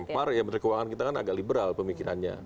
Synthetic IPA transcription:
mparjaŋmənərkəwaŋankit̪akana̰ɡaʔlibəɾalpəmikiɾa̰nɲa̰

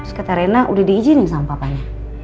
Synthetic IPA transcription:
skət̪aɾɛnaʔudɛhdiɡid͡ʒiniŋsampapaɲa

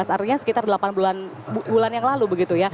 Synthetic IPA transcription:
asaɾiɲasə̥kit̪ardəlapanbulan | bulanjaŋlalubəɡit̪uja

